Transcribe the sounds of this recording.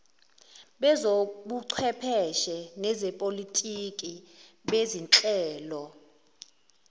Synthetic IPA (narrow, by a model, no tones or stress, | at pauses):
ɓɛzoɓuǀʰwɛpʰɛʃɛnɛzɛpʼolitʼikʼiɓezinǁʼɛːlɔ